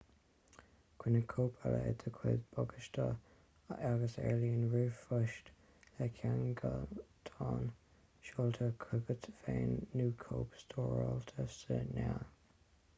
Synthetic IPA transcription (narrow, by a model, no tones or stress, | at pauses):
kwɪnəkʰoːpʰaled̪ʰəkʰwɪdb̥ɔɡəʃtʰə | aɡəsɛɹliənɹuːfʊʃt | lɛkʰaŋɡət̪ʰɑːn | ʃɔlt̪ʰəkʰɾʊɡət̪ʰfeːnːuːkʰoːpst̪ʰoːɹɔlt̪ʰəsənɛ